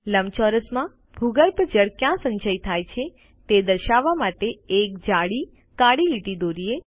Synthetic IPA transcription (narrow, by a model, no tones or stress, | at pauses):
ləmt͡ʃɔɾəsmã | bʱuɡəɾpəd͡ʒəɭkjãsə̃ɲd͡ʒəjt̪ʰajt͡ʃʰe | t̪ed̪əɾʃaʋːamaʈeek̚d͡ʒaɽi | kaɽiliʈid̪oɾie